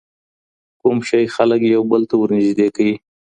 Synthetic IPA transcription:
kumʃajxaləkjawbəlt̪awəɾnɪʒd̪ekawi

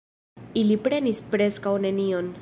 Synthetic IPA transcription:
ilipɾe̞nispɾe̞skawne̞nio̞n

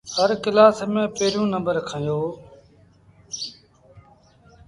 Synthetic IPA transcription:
həɾkɪlaːsmẽːpeːɾjũːnəmbəɾkʰãːjoː

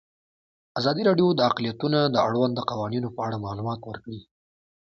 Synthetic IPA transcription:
azɑd̪iɾɑɖjod̪əaqlijat̪unad̪əaɽwand̪ːəqawɑninopəaɽamɑlumɑt̪wəɾkɽi

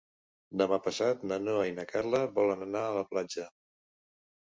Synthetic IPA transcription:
d̪əmapəsat̪nənoainəkaɾləβɔlənənaələplad͡ʒə

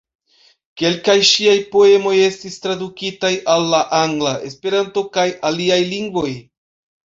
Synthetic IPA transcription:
ke̞lkajʃiajpo̞e̞mo̞je̞stistɾadukitajalːaʔaŋɡlae̞̰spe̞ɾanto̞kajaliajliŋɡvo̞j

